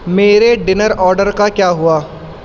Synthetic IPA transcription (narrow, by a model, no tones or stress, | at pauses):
meːɾeɖɪnəɾɔːɾɖəɾkakjaːɦuaː